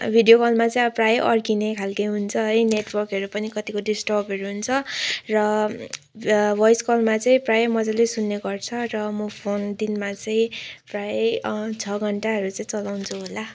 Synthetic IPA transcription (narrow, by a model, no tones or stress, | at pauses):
bʱiɖijokʌlmat͡saĩʌprajʔʌrkinekʰalkʌɦunt͡sʰʌɦʌjneʈwʌrkɦʌɾupʌnikʌt̪ikoɖisʈʌbʌɾuɦunt͡sʰʌrʌ | bʱʌjskʌlmat͡sʌĩprajmʌd͡zalesunːeɡʌrt͡sʰʌrʌmʌpʰond̪inmat͡sʌĩprajt͡sʰʌɡʱʌɳʈaɦʌɾut͡sʌ̃ĩt͡sʌlawnt͡sʰuɦola